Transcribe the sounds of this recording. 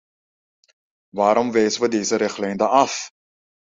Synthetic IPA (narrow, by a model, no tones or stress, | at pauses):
ʋaːɾɔmʋɛjzəʋədeːzəɾɪχlɛjndəɐf